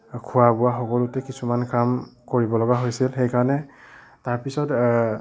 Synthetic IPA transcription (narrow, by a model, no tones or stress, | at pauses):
kʰuwabʊwaxɔkɔlutɛkisumankamkoɹibɔlɔɡaɦojsilxejkaɹɔnɛ | taɹpisɔt